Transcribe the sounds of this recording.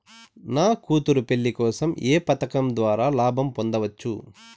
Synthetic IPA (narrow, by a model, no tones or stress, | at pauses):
naːkuːt̪uɾupe̞ɭːikɔːsɐmeːpɐt̪ɐkɐmd̪ʋaːɾaːlaːbʱɐmpond̪ɐʋɐt͡ʃːṵ